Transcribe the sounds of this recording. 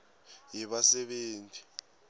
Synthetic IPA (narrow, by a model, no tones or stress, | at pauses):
jɛɓasɛɓeːntʰʼi̥